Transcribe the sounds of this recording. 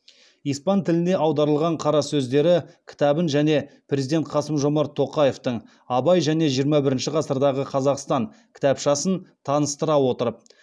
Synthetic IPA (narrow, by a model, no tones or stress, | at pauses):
ijspɑnt̪ʰɪlɪne̞ʔɑwd̪ɑɾəlˠʁɑɴqʰɑɾɑsɵzd̪e̞ɾɪkʲʰɪ̥t̪ɑbənʒæne̞pʰɾʲe̞zid̪ʲe̞nt̪qʰɑsəmʒo̞mɑɾt̪ʰo̞qɑje̞ft̪əɴ | ɑbɑjʒæne̞ʒijəɾmɑbɪɾɪnʃɪqʰɑsəɾd̪ɑʁəqʰɑzɑqst̪ɑɴ | kʲʰɪ̥t̪ɑpʃɑsənt̪ʰɑnəst̪əɾɑwo̞t̪əɾəp̚